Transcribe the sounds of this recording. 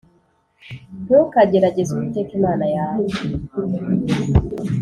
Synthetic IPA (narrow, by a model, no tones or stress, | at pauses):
bokaɟeɾaɟezukitekimaːnajaːw